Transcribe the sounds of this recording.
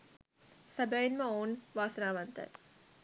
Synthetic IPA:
sɐbɐɭinməoːnʋaːsənaːʋɐnt̪ɐ̰t

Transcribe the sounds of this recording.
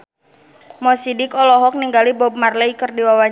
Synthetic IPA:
mɔsidɪkɔlɔɦɔk̚niŋɡalibɔb̚marlɛikərdiwawa

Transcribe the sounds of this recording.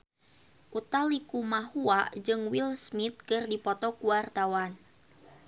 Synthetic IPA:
ʔut̪alikumaɦuaʔd͡ʒɨŋwilsmit̪̚kɨrdipɔt̪ɔkuwart̪awan

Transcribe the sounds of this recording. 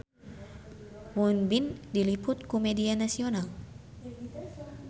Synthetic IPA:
wunbindilipʊt̪̚kumɛdianasional

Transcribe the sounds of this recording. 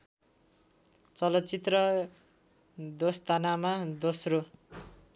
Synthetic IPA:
t͡sʌlʌtːt͡sit̪rʌ | d̪ost̪ʰanamad̪osro

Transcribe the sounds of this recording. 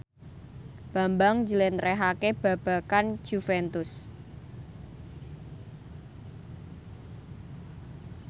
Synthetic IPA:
b̥a̤mbaŋd͡ʒəlɛnɾɛɦakeb̥ä̤b̥a̤kand͡ʒ̥ufɛnt̪ʊs

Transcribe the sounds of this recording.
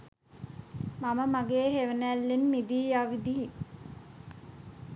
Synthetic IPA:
maməmaɡeːɦeʋənælːinmid̪iːjaʋid̪iɦi

